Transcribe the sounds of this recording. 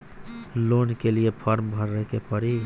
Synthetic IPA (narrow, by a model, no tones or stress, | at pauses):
lonkelijepʰəɾmbʱəɾːəɦkepəɾi